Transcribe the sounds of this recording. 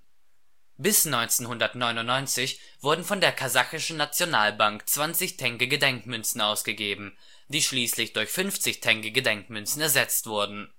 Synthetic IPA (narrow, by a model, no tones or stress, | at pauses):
bɪsnɔʏnt͡senhʊndɐtnɔʏnʊnnːɔʏnt͡sɪç | v̥ʊɐdn̩fɔndeːɐkʰazaxɪʃn̩nat͡sjonaːlbaŋkt͡sv̥ant͡sɪçtʰɛŋkəɡədɛŋkmʏnt͡sn̩aʊsɡ̥əɡeːbm̩ | d̥iːʃliːslɪçd̥ʊɐçfʏnft͡sɪçtʰɛŋkəɡədɛŋkmʏnt͡sn̩ɛɐzɛt͡stv̥ʊɐdn̩